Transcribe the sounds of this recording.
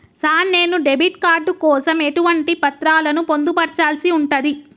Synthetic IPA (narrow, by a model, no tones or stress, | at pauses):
saːne̞ːnuɖe̞biʈkaːɾɖukɔːsɐme̞ʈuʋɐɳʈipɐt̪ɾaːlɐnupo̞nd̪upɐɾt͡ʃaːlsiuɳʈɐd̪i